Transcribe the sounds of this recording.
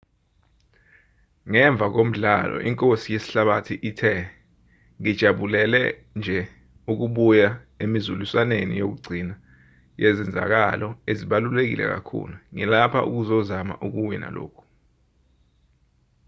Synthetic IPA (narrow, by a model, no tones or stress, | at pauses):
ŋɛɱb̪vʱak̬om̩ɮa̰lɔ̰ʔiŋkʼosijesi̥ɬaɓatʰiʔitʰɛ | ŋid̥ʒ̥ʱaɓulɛlɛ̰ | nd͡ʒʱɛ | uk̬uɓuja | emizulusanenḭjok̬uɡ͡ǀʱina | jɛzɛnd͡zʱa̰k̬alɔeziɓalulek̬ḭlʔɛ̰k̬a̰kʰṵluŋɛlapʰa̰ʔṵk̬uzɔzama̰ʔuk̬uwina̰lo̰ːkʰu̥